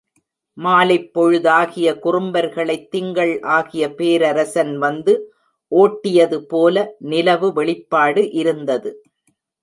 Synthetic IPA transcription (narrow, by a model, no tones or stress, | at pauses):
maːlɐɪpːɔɻɯðaːɣɪjɐkʊrʊmbɐɾɣɐɭɐɪt̪ːɪŋɡɐɭʔaːɣɪjɐpeːɾɐɾɐsɐnʋɐnd̪ɯ | ʔoːʈːɪjɐðɯpoːlɐnɪlɐʋɯʋɛɭɪpːaːɽɯʔɪɾɯnd̪ɐðɯ